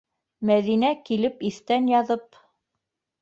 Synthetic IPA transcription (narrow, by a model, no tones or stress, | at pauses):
mæðinækilɘpiθt̪ænjɑðɤp̚